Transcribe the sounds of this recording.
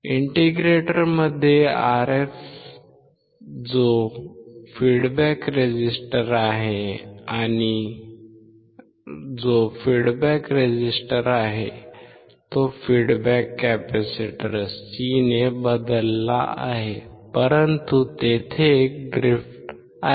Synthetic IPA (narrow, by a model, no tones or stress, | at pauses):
iɳʈiɡɾeʈəɾməd̪ʱːjeaɾef | d͡zo | fiɽbækɾed͡ʑisʈəɾaɦeañi | d͡zofiɽbækɾed͡ʑisʈəɾaɦe | t̪ofiɽbækːæpæsiʈəɾssinebəd̪əlːa̰ʔa̰ɦepəɾənt̪ut̪et̪ʰeːk̚ɖɾifʈ